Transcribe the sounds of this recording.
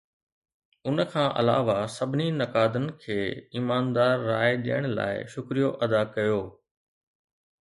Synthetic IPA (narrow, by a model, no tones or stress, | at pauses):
ʊnəkʰãːʔɐ̰la̰ːʋasɐbʱɪninɐkaːd̪ənɪ̆kʰeːiːmaːnd̪aːɾːaːeɗḭjəɽ̃la̰ːɪ̰ʃʊkɾijoʔɐd̪akɐjoː